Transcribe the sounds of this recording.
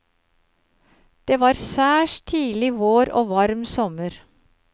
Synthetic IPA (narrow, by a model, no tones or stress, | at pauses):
d̪̥eːʋɑːɾsæːʃt̪ʰiːlɪʋoːɾo̰ːʋɑɾmsɔməɾ